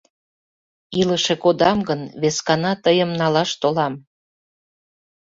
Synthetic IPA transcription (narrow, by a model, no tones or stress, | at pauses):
iləʃekod̪ɑmɡənβeskɑnɑt̪əjəmnɑlɑʃt̪olɑm